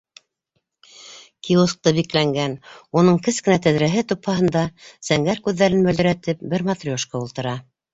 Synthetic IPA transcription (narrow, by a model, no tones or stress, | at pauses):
kiosk̚t̪ɤbiklæŋɡænunɤɴkɘskɘ̆næt̪æðɾæɦɘt̪uphɑɦɤ̆nd̪ɑsæŋɡæɾkʉðːæɾɘnmɵld̪ɵ̆ɾæt̪ɘp̚bɘɾmɑt̪rʲoʃkɑulˠt̪ɤ̆ɾɑ